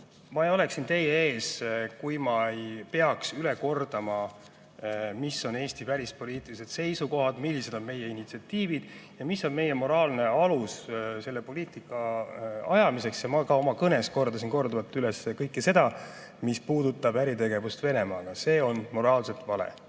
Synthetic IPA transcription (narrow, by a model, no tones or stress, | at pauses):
mɑejo̞le̞ksint̪e̞jeeːskujmɑejpe̞ɑksyleko̞rd̪̥ɑmɑ | misːo̞ne̞ːst̪ivæɾʲispo̞liːt̪ːˑilise̞d̪̥se̞jsuko̞ɦɑd̪̥milːise̞d̪o̞nme̞jeinit̪siɑt̪ːiːvid̪̥jɑmisːo̞nme̞jemo̞ɾɑːlne̞ɑlusse̞lːepo̞liːt̪ˑikːˑɑɑjɑmise̞ksjɑmɑkɑo̞mɑkɤne̞sko̞rd̪̥ɑsinko̞rd̪ovɑt̪ːylesekɤjkːese̞d̪̥ɑ | mispuːd̪ut̪ːˑɑbæɾit̪e̞ɡe̞vust̪ve̞ne̞mɑːɡ̥ɑse̞ːo̞nmo̞ɾɑːlse̞lt̪vɑlḛ